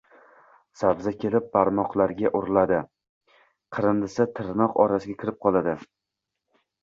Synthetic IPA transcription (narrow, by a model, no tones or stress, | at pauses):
sabzakʲʰe̞lɪp̚baɾmɒqlˠaɾɡʲaʔʊɾlad̪ɪ | qʰɨɾɨnd̪ɪsɪt̪ʰɨɾnɒqɒɾasɪɡʲakʲʰɪɾɪp̚qʰɒlˠad̪ɪ